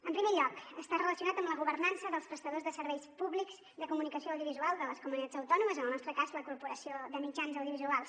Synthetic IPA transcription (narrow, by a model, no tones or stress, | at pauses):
əmpɾimeʎɔkəst̪arələsiunat̪əmləɣuβərnansəðəlˠspɾəst̪əðozðəsəɾβɛjspuβlikz | ðəkumunikəsioəwðijuβizualˠd̪ələskumunit̪ad͡zəwt̪ɔnuməzənəlˠnɔst̪ɾəkazləkuɾpuɾəsioðəmid͡ʒanzəwðijuβizualˠs